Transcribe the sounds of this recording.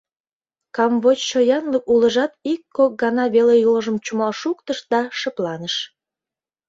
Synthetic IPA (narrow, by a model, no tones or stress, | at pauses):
kɑmβot͡ɕt͡ɕojɑnləkulə̆ʒɑt̪ikːok̚ɡɑnɑβelejoləʒə̆mt͡ɕumɑlʃuk̚t̪əʃd̪ɑʃə̆plɑnəʃ